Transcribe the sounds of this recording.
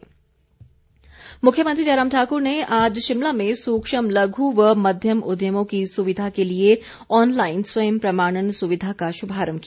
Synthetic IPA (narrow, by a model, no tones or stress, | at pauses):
mʊkʰːjəməɐnt̪ɾid͡ʒɐɾaːmʈʰaːkʊɾneʔaːd͡ʒʃɪmlamẽsuːkʃəmlɐɡʱuʋəmɐd̪ʱjəmʊd̪ʱjəmõkisʊʋɪd̪ʱakelie | ɔːnlaːɪnswɐjəmpɾɐmaːɽ̃ənsʊʋɪd̪ʱakaʃʊbʱaːɾəmki